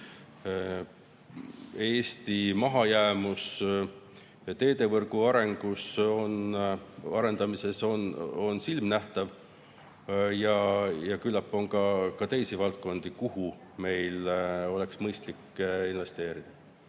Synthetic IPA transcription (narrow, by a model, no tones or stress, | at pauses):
e̞ːst̪imɑɦɑjæːmus | t̪e̞ːd̪̥e̞vɤrɡ̥uɑɾe̞ŋɡ̥uso̞n | ɑ̰ɾe̞nd̪̥ɑmise̞so̞no̞nsilmnæht̪ɑv | jɑjɑkylːɑpːˑo̞ŋkɑkɑt̪e̞jsivɑlt̪̚ko̞nd̪̥ikuhu | me̞jlo̞leksmɤjst̪likːinve̞st̪e̞ːɾid̪̥ɑ